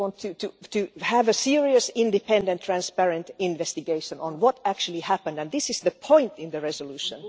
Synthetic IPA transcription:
ɑ̃ntʰɨtɨtɨhævəsiɹiɨsɪ̃ndɨpɛ̃ndə̃nt̪ʰːɹ̥æ̃nspæɹə̃ntɪ̃nvɛst̪ɨɡeɪʃə̃nə̃nwɔtæk̚t͡ʃʉl̩ˠihæpə̃ndæ̃nðɪsɪz̥ðəpʰɔ̃ɪ̃ntɪ̃nðəɹɛsəlʉːʃə̰̃n

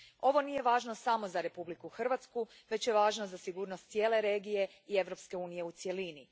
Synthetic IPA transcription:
o̞ʋo̞nije̞ʋaːʒno̞samo̞zaɾe̞publikuxr̩ʋat̪sku | ʋe̞t͡ɕjeʋaːʒnozasiɡuːɾno̞st̪sije̞ːle̞ɾe̞ɡije̞ | ie̞ʋɾo̞pske̞uːnije̞ut̪sje̞lini

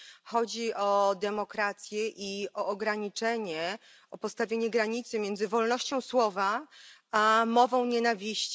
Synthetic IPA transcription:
xɔd͡ʑiʔɔd̪ɛmɔkɾat̪sʲjɛʔiʔɔːɡɾaɲit͡ʂɛɲɛ | ɔpɔt̪st̪avʲjeɲɛɡɾaɲit̪sɘmʲjɛnd̪zɘvɔlnɔɕt͡ɕɔ̃w̃swɔvaamɔvɔ̃w̃ɲenavʲiɕt͡ɕ

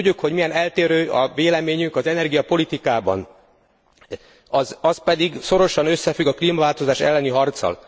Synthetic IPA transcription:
ɟːukho̞ɟmijɛnɛlt̪eːɾøːɒveːlɛmeːɲyŋkɒzɛnɛrɡijɒpo̞lit̪ikaːbɒ̰n | ɒzɒspɛd̪iɡso̞ɾo̞ʃɒnø̞sːɛfyɡɒkliːmɒvaːlt̪o̞zaːʃɛ̰lːɛniɦɒrt̪sɒ̰l

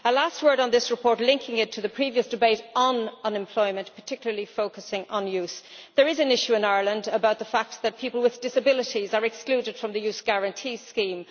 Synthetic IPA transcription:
əlast̚wɜ˞ɾn̩ðɪsɹəpʰɔɹtˡlɪ̃ŋkɪ̃ŋɪtʰəðəpʰɹ̥iviəsd̥ɨbeɪɾə̃nə̃nɛ̃mpʰl̥ɔɪmə̃npʰə˞tʰɪkjl̩ə˞lifoʊkəsɪ̃ŋʔə̃njʉsðə˞ɪzə̃nɪʃʉɪ̃naɪə˞lə̃ndəbaʊt̪̚ðəfak̚t̪̚ðət̚pʰipəl̩ˠwɪðdɪsəbɪlɪɾizə˞ɛksklʉːɾɨd̥fɹʌ̃mðəɨjʉsɡ̥æɹə̃ntʰiːskĩːm

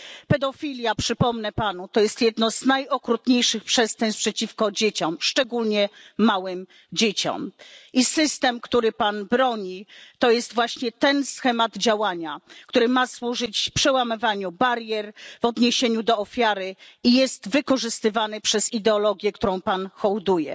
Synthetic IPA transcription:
pɛd̪ɔfʲilʲjapʂɘpɔmnɛpanut̪ɔjɛst̪jɛd̪nɔznajɔkɾut̪ɲejʂɘxpʂɛst̪ɛnspʂɛt͡ɕifkɔd͡ʑet͡ɕɔmʂt͡ʂɛɡulɲɛːawɘm | d͡ʑet͡ɕɔ̰mʔisɘst̪ɛmkt̪uɾɘpanbɾɔɲit̪ɔjɛst̪vwaɕɲɛt̪ɛnsxɛmad̪d͡ʑawaɲakt̪uɾɘmaswuʐɘt͡ɕfpʂɛwamɨvaɲubaɾjɛɾvɔd̪ɲeɕeɲud̪ɔɔfʲjaɾɘijɛst̪vɘkɔʐɘst̪ɘvanɘpʂɛzid̪ɛɔlɔɡʲjɛk̚t̪uɾɔ̃w̃panxɔwd̪ujɛ̰

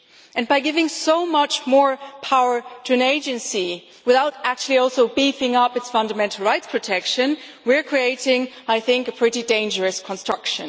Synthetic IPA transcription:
ɨ̃nbaɪɡɪvɪ̃ŋsoʊmʌt͡ʃmɔɹpʰaʊə˞ɾʰɨɨ̃neɪd͡ʒɨ̃nsi | wɨθaʊɾæk̚t͡ʃʉl̩ˠiɔlˠsoʊbifɪ̃ŋʌpɨtsfʌ̃ndəmɛ̃ntʰˡl̩ˠɹaɪtspʰɹ̥ɨtʰɛkʃɨ̃nwiɹkʰɹ̥ieɪɾɪ̃ŋaɪθɪ̃ŋkɨpʰɹ̥ɪɾidẽɪ̃nd͡ʒə˞ɨskʰə̃nstɹ̥ʌkʃɨ̰̃n

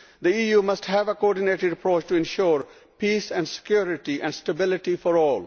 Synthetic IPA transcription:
d̪iiːjuːmʌsʈɦæʋəkoɔːɾɖɪneːʈɪɖəpɾoːt͡ʃʈuɪ̃nʃɔːɾ | piːsɛ̃ɳɖsɪ̥kjuːɾɪʈiʔɛ̃ɳɖsʈəbɪlɪʈifɔɾɔːl

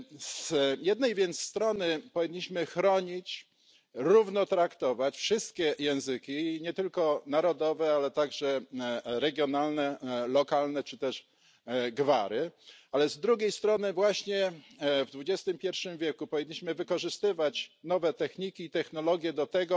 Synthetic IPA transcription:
zjɛd̪̚nɛjvʲjɛnt̪st̪ɾɔnɘpɔvʲiɲːiɕmɘxɾɔɲit͡ɕ | ɾuvnɔt̪ɾakt̪ɔvat͡ɕfʂɘst̪̚kʲɛjɛ̃w̃zɘkʲiɲɛt̪ɘlkɔnaɾɔd̪ɔvɛalɛt̪aɡʐɛɾɛɡʲjɔnalnɛlɔkalnɛt͡ʂɘt̪ɛʂ | ɡvaɾɘalɛzd̪ɾuɡʲejst̪ɾɔnɘvwaɕɲɛvd̪vud͡ʑɛst̪ɘmpʲjɛɾfʂɘmvʲjɛkupɔvʲiɲːiɕmɘvɘkɔʐɘst̪ɘvat͡ɕnɔvɛt̪ɛxɲikʲiːt̪ɛxnɔlɔɡʲjɛd̪ɔt̪ɛɡɔ

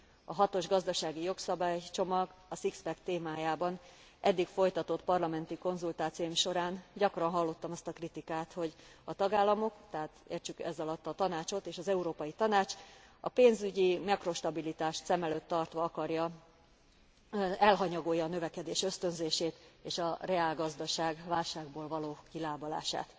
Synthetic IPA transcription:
ɒɦɒt̪o̞ʒɡɒzd̪ɒʃaːɡijo̞ksɒbaːjt͡ʃo̞mɒɡɒsikspɛkt̪eːmaːjaːbɒn | ʔɛd̪ːikfo̞jt̪ɒt̪ot̪pɒrlɒmɛnt̪iko̞nzult̪aːt̪sijomʃo̞ɾaːnɟɒkrɒnɦɒlːo̞t̪ːɒmɒst̪ɒkrit̪ikaːt̪ho̞ɟɒt̪ɒɡaːlːɒmo̞kt̪ɛaːt̪ḛːrt͡ʃykɛzɒlɒt̪ːɒt̪ɒnaːt͡ʃo̞t̪eːʃɒzɛuɾoːpɒjit̪ɒnaːt͡ʃ | ɒpeːnzyɟimɛkro̞ʃt̪ɒbilit̪aːʃt̪sɛmɛløːt̪ːɒrt̪ʋɒɒkɒrjɒ | ɛlɦɒɲɒɡoːjːɒːnø̞vɛkɛd̪eːʃø̞st̪ø̞nzeːʃeːt̪eːʃɒreaːlɡɒzd̪ɒʃaːɡvaːlʃaːɡboːlvɒloːkilaːbɒla̰ːʃa̰ːt̪

